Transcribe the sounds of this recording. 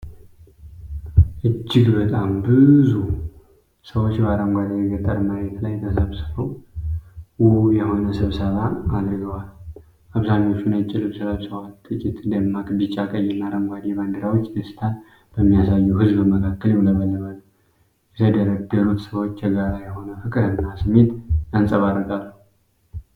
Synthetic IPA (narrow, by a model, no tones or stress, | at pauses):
ʔɨt͡ʃːɪɡbət̪ʼambɨzu | səwot͡ʃːbaɾəmɡʷad̪ijɡəɾt̪ʼəɾmajɛt̪lajt̪ʰəsəβsɨfəw | wujɛho̞nəsɨβsəβaːd̪ɾɨɡəwal | aβsaɲo̞t͡ʃːunət͡ʃʼːɪlɨβsɨləbsəwalt̪ʼɨkʼit̪d̪əmːakbɨt͡ʃʼːakʼəjːɛnːaɾəmɡʷad̪eband̪ɨɾawot͡ʃːɨst̪ʰan | b̥əmːijasajːuhɨzbɨməkʰakːəlɛmləβəlːəβanə | jɛt̪ʰəd̪əɾəd̪əɾut̪səwo̞t͡ʃːʰəɡaɾajɛho̞nəfɨkʼɨɾɨnːasɨme̞t̪ansʼəβad̪əɡalːu